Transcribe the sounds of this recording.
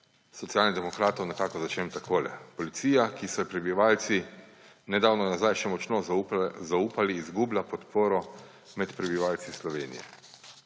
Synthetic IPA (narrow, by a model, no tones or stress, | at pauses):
sɔt̪sijaːlnid̪ɛmɔkɾaːt̪ɔwnɛkaːkɔzat͡ʃemt̪akʰoːlɛ̰pɔlit̪siːjakisɔjɛpɾɛbiʋaːlt̪si | nɛd̪aːwnɔnazajʃɛmɔt͡ʃnɔzauːpaliːzɡuːblʲapɔt̪poːɾɔ | mɛt̪pɾɛbiʋaːlt̪sislɔʋeːnḭjɛ̰